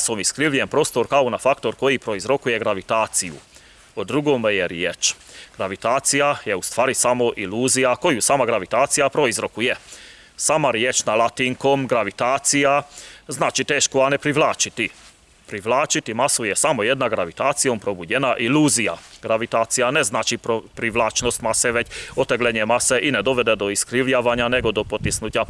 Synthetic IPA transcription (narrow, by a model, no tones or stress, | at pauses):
somiskɾilijempɾo̞st̪oɾkaonafakt̪o̞ɾko̞jipɾo̞izɾo̞kuje̞ɡɾaʋit̪aːt̪sijṵ | od̪ɾuɡoːmjeɾjet͡ʃɡ̥ɾaʋit̪aːt̪sijajeust̪ʋaːɾisamo̞ʔiluːzijako̞jusaːmaɡɾaʋit̪aːt̪sijapɾo̞izɾo̞kuje | saːmaɾjet͡ʃnalˠat̪iŋkoːmɡɾaʋit̪aːt̪sijaznat͡ʃit̪ɛʃkɔanɛpɾiʋlaːt͡ʃit̪i | pɾiʋlaːt͡ʃit̪imasujɛsamojɛd̪naɡɾaʋit̪aːt͡s̪sijɔmpɾobuɟɛnaʔiluːzija̰ɡɾaʋit̪aːt̪t͡s̪ijanɛznat͡ʃipɾopɾiʋlaːt͡ʃnosc̪ʲmasɛʋɛcot̪ɛɡlɛɲiɛmasɛʔinɛd̪oʋɛd̪ɛd̪oiskɾiljaʋaɲanɛɡod̪opot̪ːisnuca